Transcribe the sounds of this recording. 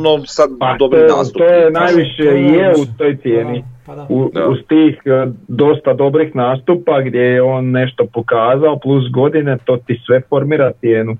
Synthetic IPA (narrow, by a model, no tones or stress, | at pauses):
nosad̪pad̪ob̪ioa̰t̪oːjenajʋiʃeijeut̪ojt̪sje̞ːniuust̪iːxd̪o̞st̪ad̪o̞bɾixnaːst̪upaɡd̪je̞jeo̞ːnːe̞ʃt̪opokaːzao̞plˠus̬ɡo̞d̪ine̞t̪o̞ːt̪isʋe̞fo̞ɾmiːɾat̪sjeːnu